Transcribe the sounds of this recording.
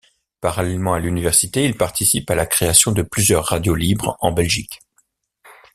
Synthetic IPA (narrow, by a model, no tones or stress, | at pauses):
paʁalɛlmɑ̃alynivɛʁsit̪eilpaʁt̪isipalakχeasjɔ̃d̪əplyzjœʁːad̪jolibʁɑ̃bɛlʒik